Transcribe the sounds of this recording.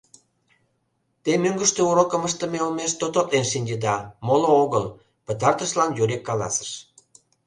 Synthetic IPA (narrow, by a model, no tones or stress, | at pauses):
t̪emøŋɡəʃt̪euɾokə̆məʃt̪ə̆meomeʃt̪ot̪ot̪lenʃinʲdəd̪ɑmolooɣəl | pə̆t̪̬ɑrt̪əʃlɑnjuɾʲekːɑlɑ̰sə̥ʃ